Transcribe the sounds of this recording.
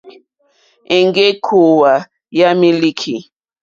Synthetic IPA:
e˨ŋɡe˦kʰu˨wa˨ | ja˦mi˦li˦kʰi˨

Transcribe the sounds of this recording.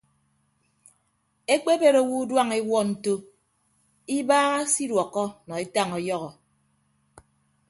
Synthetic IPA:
e˦k͡pe˦be˦ɾo˦wu˦dwa˦ŋe˦wɔ˦n̩˨to˦ | i˦baː˦ɣa˦si˦dwɔ˨kːɔ˦nɔ˨e˦ta˦˨ŋɔ˨jɔ˦ɣɔ˨

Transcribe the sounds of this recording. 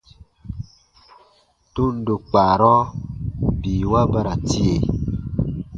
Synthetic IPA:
tu˦n̩˦du˨k͡pa˨ɾɔ˦ | biː˨wa˦ba˦ɾa˨ti˦e˨

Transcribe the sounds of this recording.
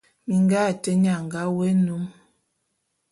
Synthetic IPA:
mi˨ŋ˦ɡa˦˨tə˦ɲ˦a˨ŋ˨ɡa˦we˦nu˨˦m

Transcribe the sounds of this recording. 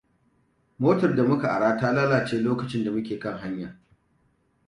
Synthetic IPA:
moː˦tɐ˨rda˨mʊ˦ka˨ʔa˨ɽaː˦taː˦laː˦laː˨t͡ʃeː˦loː˦kɐ˨t͡ʃɪ˦nda˨mʊ˦kʲeː˨kɐ˦˨ŋɦa˦ɲja˨

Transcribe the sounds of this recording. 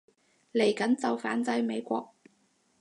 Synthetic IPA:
le˨˩jkɐ˨˥nt͡sɐ˨wfaː˨˥nt͡sɐ˨˥jme˨˧jkʷɔː˧k̚

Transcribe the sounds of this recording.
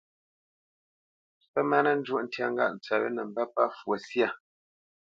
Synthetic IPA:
pə˦ma˦na˦n̩˦d͡ʒwo˦ʔn̩˦tja˦˨ŋ̩˦ɡa̰˦˨ʔn̩˨t͡sa˨lə̰˦nə˨m˦ba˦pa˦fwo˨sja˦˨

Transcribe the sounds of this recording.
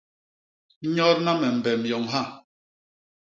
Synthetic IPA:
ɲɔ˦ɾna˦mɛ˨m̩˨bɛ˨mjɔ˨ŋɦa˦˨

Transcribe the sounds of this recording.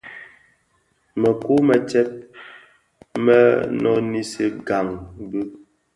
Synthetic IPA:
mə˨ku˦mə˨t͡ʃɛ˦p̚ | mə˦nɔ˦ni˦se˦ɡa˨ŋbu˦

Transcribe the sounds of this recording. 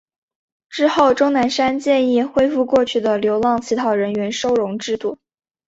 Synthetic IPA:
ʈ͡ʂɻ̩˥˧xo˥˩ʊʈ͡ʂʊ˥ŋna˧˥nʂa˥nt͡ɕjɛ˥˧ni˥˩xwe˥ɪfu˥˧kwɔ˥˧t͡ɕʰy˥˩d̪ə˩ljo˧˥ʊlɑ˥˩ŋt͡ɕʰi˧˥t̪ʰɑ˧˥ʊɻə˧˥nɥɛ˧˥nʂo˥ʊɻʊ˧˥ŋʈ͡ʂɻ̩˥˧t̪u˥˩

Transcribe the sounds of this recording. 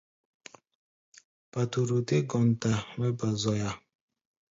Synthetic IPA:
pa˨tu˨ɾu˨te˦ɡɔ˨n˨ta˨mɛ˦ba˨zɔ˨ja˨

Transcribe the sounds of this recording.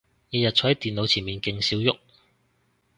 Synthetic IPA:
jiː˨˧˩jɐ˨t̚t͡sʰɔː˨˥hɐ˨˥jt̪iː˨nlo˨˧wt͡sʰiː˨˩nmiː˨nkɪ˧ŋsiː˨˥wjʊ˥k̚

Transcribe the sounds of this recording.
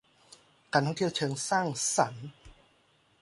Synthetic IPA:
kaː˧nt̪ʰŋt̪ʰi˥˩wt͡ɕʰɤː˧ŋsaː˥˩ŋsa˩˦n

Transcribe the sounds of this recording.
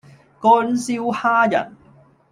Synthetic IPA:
kɔː˥nsiː˥whaː˥jɐ̰˨˩n

